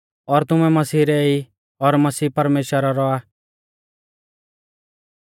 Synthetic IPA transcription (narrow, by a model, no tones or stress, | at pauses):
ɔɾt̪ʊmɛ̃mɐsiːɾɛi | ɔɾmɐsiːpɐɾmeːʃəɾaɾɔa